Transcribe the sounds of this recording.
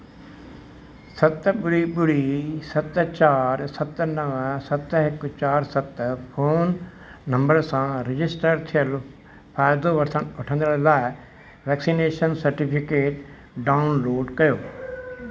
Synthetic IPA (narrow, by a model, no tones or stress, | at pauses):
sɐt̪ɓʊɽiɓʊɽisɐt̪t͡ɕaːɾsɐt̪nɐʋə̃sɐt̪ɦɪkt͡ɕaːɾsɐt̪pʰoːnː | ɐ̃mbəɾsãɾɪd͡ʑɪsʈəɾt̪ʰijəl | pʰaːjd̪oʋɐɾt̪ʰənʊʈʰə̃nd̪əɽ̃laːɪ | ʋɛːksineːʃənsɐɾʈipʰɪkeːʈ | ɖaːʊnloːɖkɐjoː